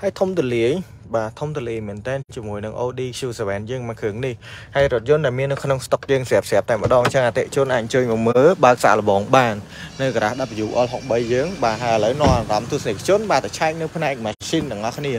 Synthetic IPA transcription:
haəjt̪ʰumt̪oliəj | ɓaːt̪ʰumt̪oəliəjmɛənt̪ɛːnt͡ɕiəmuəjnɨŋʔoːɗiːkʰjuːsaʋɛːnjəːŋmakʰəːŋnihhaəjrŏət̪̚jʊ̆ənɗaɛlmiənːɨwkʰnoŋst̪ok̚jəːŋsɛəp̚sɛ̆ap̚t̪aɛmə̆ɗɑːŋt͡ɕəŋʔat̪eʔt͡ɕʊ̆ənʔaːc̚ʔə̆ɲt͡ɕəːɲʋɨməːlɓaək̚sa̰ʔlə̆ɓɑːŋɓaːnː | ɨwkaɾaːhɗap̚ːajuːʔɑlɦok̚ɓəjːəːŋɓaːɦaəjʔələwnŏəmtamt̪uəsnikʰt͡ɕʊ̆ənɓaːt̪at͡ɕʰaɛk̚nɨwpʰnaɛk̚maːsint̪ɛ̆əŋʔɑkʰniə

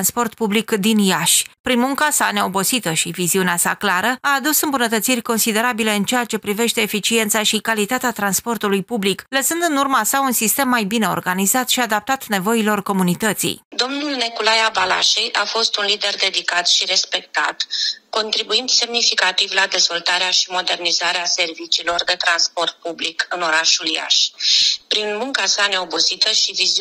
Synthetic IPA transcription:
nspo̞rt̪publikd̪injaʃʲpɾinmuŋkasane̞o̞bo̞t̪sit̪əʃiviziuneasa̰klaɾəaːd̪usɨmbunət̪ət̪sirʲko̞nsid̪e̞ɾabile̞ɨnt͡ʃejat͡ʃe̞pɾive̞ʃt̪e̞ːfit͡ʃie̞nt̪saʃikalit̪at̪eat̪ɾanspo̞rt̪ulujpublikləsɨnd̪ɨnurmasaunsist̪e̞mːajbine̞o̞̰rɡanizat̪ʃiad̪ap̚t̪at̪ne̞vo̞ilo̞rko̞munit̪ət̪sḭjd̪o̞mnulnekulajabala̰ʃejʔafo̞st̪unlid̪e̞rd̪e̞d̪ikat̪ʃiɾe̞spe̞k̚t̪a̰t̪ko̞nt̪ɾibuind̪se̞mnifikat̪ivlad̪e̞zvo̞lt̪aɾeaʃimo̞d̪e̞rnizaɾease̞rvit͡ʃiːlo̞rd̪e̞t̪ɾanspo̞rt̪̚publikɨno̞ɾaʃulja̰ʃpɾinmuŋkasane̞o̞buzit̪əʃiviz

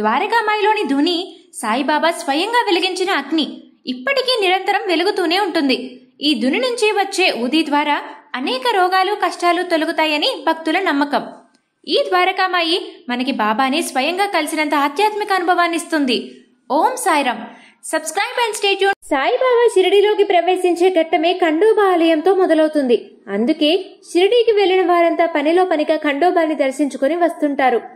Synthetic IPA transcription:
d̪̥ʋaːɾɐkaːmaːjilo̞ːnid̪ʱunisaːjibaːbaːsʋɐjɐŋɡaːʋeliɡiɲt͡ʃinɐːɡniː | pːɐʈikiːniɾɐnt̪ɐɾɐmʋe̞luɡut̪uːne̞ːuɳʈund̪i | iːd̪ʱuninuɲt͡ʃiʋɐt͡ʃːe̞ːʔuːd̪iːd̪ʋaːɾaːɐnɛːkɐɾɔːɡaːlukɐʂʈaːlut̪o̞luɡut̪aːjɐnibʱɐk̚t̪ulɐnɐmːɐkɐm | iːd̪ʋaːɾɐkaːmaːjimɐnɐkibaːbaːneːsʋɐjɐŋɡaːkɐlisinɐnt̪ɐaːd̪jaːt̪mikɐːnubʱɐʋaːnːist̪und̪i | oːmsaːjɾɐm | sɐbskɾɐjbɐnsʈeːʈjusaːjibaːbaːʃiɾɐɽiːlo̞ːkipɾɐʋe̞ːsiɲt͡ʃe̞ːɡɐʈːɐme̞ːkɐɳɖɔːbaːlɐjɐmt̪o̞ːmɔd̪ɐlɐwut̪und̪i | ɐnd̪uke̞ːʃiɾɐɽiːkiʋe̞ɭːinɐʋaːɾɐnt̪aːpɐnilo̞ːpɐniɡaːkɐɳɖɔːbaːnid̪ɐɾsiɲt͡ʃukoniʋɐst̪uɳʈaːɾu

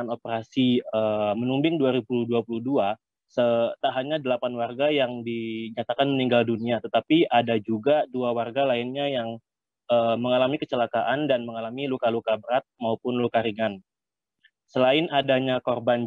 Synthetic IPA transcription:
anopəɾasiəmənumbɪŋduaɾibuluhduapuluhdua | sət̪aɦaɲadəlapanwarɡajaŋdiɲat̪akanməniŋɡalduniat̪ət̪apiʔadad͡ʒuɡaduawarɡalaɪnɲajaŋ | əːməŋalamikət͡ʃəlakaʔandanməŋalamilukalukabəɾat̪̚maupʊnlukaɾiŋan | səlaɪnadaɲakorban

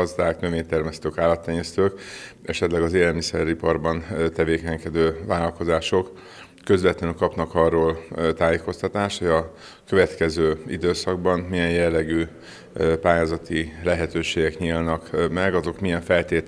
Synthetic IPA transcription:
ɒzd̪aːknø̞veːɲt̪ɛrmɛst̪øːkaːlːɒt̪ːɛɲːɛst̪øːk | ʔɛʃɛt̪lɛɡɒzeːlɛlmisɛɾipɒrbɒnt̪ɛveːkɛɲkɛd̪øːvaːlɒlko̞zaːʃo̞kː | ø̞zvɛt̪lɛnykɒpnɒkɒrːoːlt̪aːjeːko̞st̪ɒt̪aːʃt̪hoɟɒ | kø̞vɛt̪kɛzøːid̪øːsɒɡbɒnmijɛnjɛlːɛɡyː | paːjaːzɒt̪ilɛɦɛt̪øːʃeːɡɛkɲiːlnɒkmɛɡɒzo̞kmijɛɱfɛlt̪eːt̪

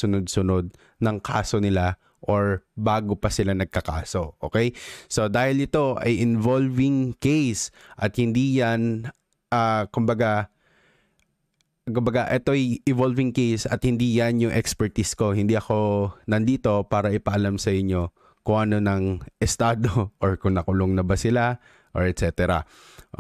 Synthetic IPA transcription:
sʊnʊd̪̚sʊno̞d̪̚ | nɐŋkʰa̰ːsonɪla | ʔoɹbaːɡopɐsɪlanɐɡ̚kɐka̰ːso̞ʔo̞̰ːkɛjso̞d̪aːhɪlɪt̪o̞ʔɐ̰jʔɪnvolvɪŋkejsʔɐt̪̚hɪnd̪iːjɐn | ʔaːkʊmbɐɡa | kʊmbɐɡaʔɛt̪o̞ɐjʔɪvolvɪŋkejsɐ̰t̪̚hɪnd̪iːjɐnjʊŋʔɛkspɛɹt̪isko̞hɪnd̪iʔɐko̞nɐnd̪iːt̪o̞paːɾɐʔɪpɐʔɐlamsɐʔɪɲːo̞ | kʊŋʔɐno̞nɐŋʔɛst̪aːd̪oʔoɹkʊŋnɐkʊloŋnɐbɐsɪla | ʔoɹɛt̪sɛːt̪ɛɾɐ̰

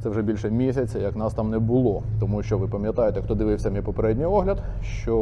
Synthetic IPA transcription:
t̪ɛwʐɛbʲilʲʃɛmʲisʲɐt͡sʲɐjɐknɑst̪ɑmnɛbʊlˠɔt̪ɔmuʃt͡ʃɔʋɪpɐmʲjɐt̪ɑjet̪ɛxt̪ɔd̪ɪʋɪwsʲɐmʲipɔpeɾɛdʲnʲijɔɦlʲɐd̪ | ʃt͡ʃɔ

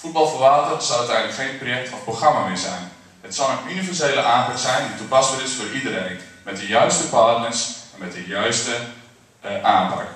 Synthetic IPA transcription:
fut̚bɑlˠfərʋaːtərsɔlˠœtɛjndləkxejnprojɛk̚tʰɔfproxramamɪːɹzɛ̰jn | hətsɔlˠənynivɛrsejləʔaːnpaksɛjnditupasbərɪsfoːridəɾejnmɛt̚dəjœɥstəpaːdnəsɛnmɛt̚dəjœɥstə | ʔaːnpa̰k

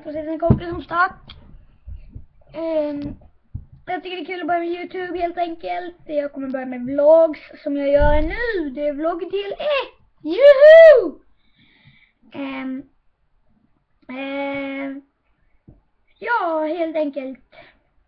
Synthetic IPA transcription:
fɾɔsɛt̪ɛnkʰɔmpɪsɔmst̪aʈː | jɑːɡ̚t̪ʏkːəɖɛkʰʉ̟ːlɔbœɾjamɛjʉːt̪ʰjʉːbheːlt̪ɛŋkəlt̪jɑːɡkɔmːəɾbœɾɪjamɛblɔɡsːɔmjɑːjœːɾanʉ̟ːd̪ɛæblɔɡd̪iːlɛ | jʉ | jɑːheːlt̪ɛŋkəlt̪

